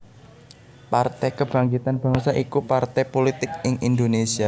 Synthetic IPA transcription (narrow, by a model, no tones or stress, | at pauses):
part̪ɛjkəb̥a̤ŋɡit̪anb̥a̤ŋsaʔikupart̪ɛpolit̪ɪk̚ɪŋʔind̪onesia